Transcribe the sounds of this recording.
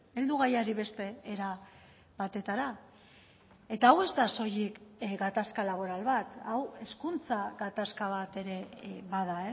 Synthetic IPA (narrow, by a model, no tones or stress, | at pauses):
e̞ld̪uɣ̞ajaɾiβe̞st̪e̞ːɾa | βat̪e̞t̪aɾa | e̞t̪aːwe̞zt̪aso̞jikɡat̪askalaβ̞o̞ɾalβat̪awe̞skunt͡saɣat̪askaβ̞at̪e̞ɾe̞βaðae